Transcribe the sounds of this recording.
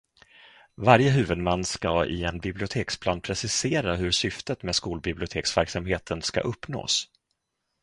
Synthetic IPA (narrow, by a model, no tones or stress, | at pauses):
vaɾjəɦʉ̟ːvəd̪manːskaɪ̰ɛnbɪblɪʊt̪ʰeːkspʰlɑːnpʰɾɛsɪseːɾaɦɵɾʂʏft̪ət̪meːd̪skuːlbɪblɪʊt̪ʰeːksvæɾksamheːt̪ʰənska̰ʔɵpːno̰ːs